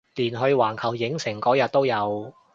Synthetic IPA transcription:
liː˨˩nɦɵ˧ɥwaː˨˩nkʰɐ˨˩wjɪ˨˥ŋsɪ˨˩ŋkɔː˨˥jɐ˨t̚t̪o˥wjɐ˨˧w

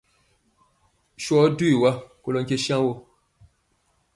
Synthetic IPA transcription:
ʃɔ˨˦du˦i˨wa˦ko˨lo˨ŋke˦ʃã˦wo˦

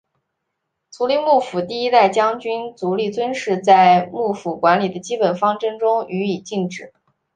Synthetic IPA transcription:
t͡sʰu˧˥li˥˧mu˥˩fu˨˩t̪i˥˩˧i˥t̪a˥˩ɪt͡ɕjɑ˥ŋt͡ɕy˥nt͡su˧˥li˥˩t͡swə˥nʂɻ̩˥˧t͡sa˥˧ɪmu˥˩fu˨˩kwa˧˥nli˨˩d̪ə˦t͡ɕi˥pə˨˩nfɑ˥ŋʈ͡ʂɤ˥ŋʈ͡ʂʊ˥ŋy˧˥i˨˩t͡ɕi˥˩ŋʈ͡ʂɻ̩˨˩˦

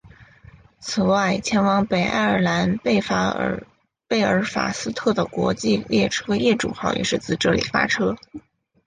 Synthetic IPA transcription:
t͡sʰɹ̩˨˩wa˥˩ɪt͡ɕʰjɛ˧˥nwɑ˧˥ŋpe˨˩ɪʔa̰˥˩ɪə˞˨˩la˧˥n˥˩a˥ | pe˥˩ɪə˞˧˥fa̰˨˩sɹ̩˥t̪ʰɤ˥˩d̪ə˩kwɔ̰˧˥t͡ɕi˥˧ljɛ˥˩ʈ͡ʂʰɤ˥jɛ˥˩ʈ͡ʂṵ˨˩xɑ˥˩ʊjʔɛ̰˨˩ʂɻ̩˥˧t͡sɹ̩˥˩ɪʈ͡ʂɤ˥˩lḭ˨˩fa̰˥ʈ͡ʂʰɤ˥

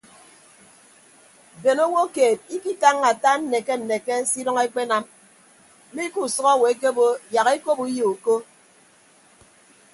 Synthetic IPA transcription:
be˨no˦wo˦keː˨t̚i˦ki˦ta˦ŋːa˨ta˦n̩˦ne˨ke˦n̩˨ne˨ke˦si˦dɔ˦ŋe˦k͡pe˦na˦m˦ | mi˦ku˦˨sɔ˦ɣɔ˦˨we˨˦ke˦bo˦ja˨ɣe˦ko˦bu˦ji˦u˨ko˦

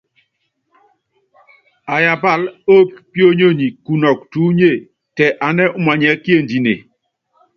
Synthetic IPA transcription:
a˨ja˨ba˦˨lo˦p̚pjo˦ɲo˦˨ɲi˨ku˨nɔ˨k̚tu˨˦ɲe˦˨ | tɛ˨ʔa˨nɛ˦ʔu˦ma˨ɲɛ˨˦kje˦˨ndi˨nḛ˨

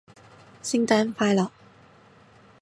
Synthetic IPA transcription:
si˥ŋt̪a˥nfa˥jlɐ˨

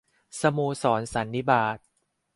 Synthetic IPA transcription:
sa˧muː˧sɔː˩˦nsa˩˦nːi˦˥baː˨˩t̪̚

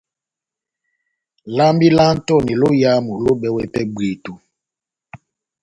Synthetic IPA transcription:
la˦mbi˦la˦n̩˦tɔ˦˨ni˨lo˦ja˦mu˨lo˦bɛ˦wɛ˦pɛ˦be˨tu˨

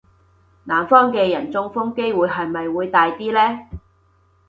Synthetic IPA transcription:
naː˨˩nfɔː˥ŋkɛː˧jɐ˨˩nt͡sʊ˥ŋfʊ˥ŋke˥jwuː˨˧jɦɐ˨jmɐ˨jwuː˨˧jt̪aː˨˧jt̪iː˥lɛː˥

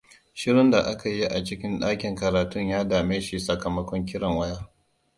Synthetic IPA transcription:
ʃɪ˦ɽɪ˦nda˨ʔa˦ka˨ji˦ʔa˨t͡ʃɪ˦kʲɪ˦nɗaː˦kʲɪ˨ŋkɐ˨ɾaː˨tʊ˦ɲjaː˦daː˨meː˦ʃi˨sɐ˨kɐ˨mɐ˦kʷɔ˦ŋkʲɪ˦ɽɐ˨ŋwɐ˦jaː˦

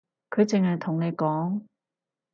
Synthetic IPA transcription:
kʰɵ˨˧ɥt͡sɪ˨ŋhɐ˨jt̪ʰʊ˨˩ŋne˨˧jkɔː˨˥ŋ

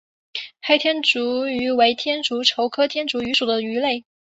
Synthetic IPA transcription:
xa˥˧ɪt̪ʰjɛ˥nʈ͡ʂu˧˥y˧˥we˧˥ɪt̪ʰjɛ˥nʈ͡ʂu˧˥ʈ͡ʂʰo˧˥ʊkʰɤ˥t̪ʰjɛ˥nʈ͡ʂu˧˥y˧˥ʂu˨˩d̪ə˦y˧˥le˥˩ɪ

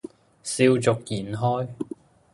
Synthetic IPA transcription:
siː˧wt͡sʊ˨k̚jiː˨˩nɦɔː˥j

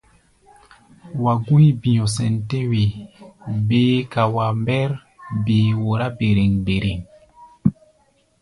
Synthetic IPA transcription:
wa˨ɡu˦jbi˨jɔ̃˨s̬ɛ˨nte˦we˨ | beː˨˦ka˨wa˨mbɛ˦ɾ | be˨wo˨ɾa˦be˨ɾe˨ŋbe˨ɾe˨ŋ

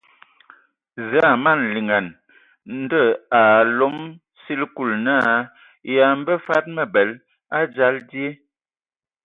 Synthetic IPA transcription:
za˦˨ma˦˨nli˨ŋa˨n | n̩˦də˦˨a˨lo˦m | si˦lku˦˨lna˦ | ja˨m˦bə˦fa˦t̚mə˨bɛ˨˦l | a˦d͡ʒa˦ldi˦e˦

